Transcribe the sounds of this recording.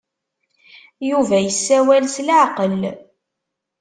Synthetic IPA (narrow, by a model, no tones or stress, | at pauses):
juvæjəsːæwælslaʕqəl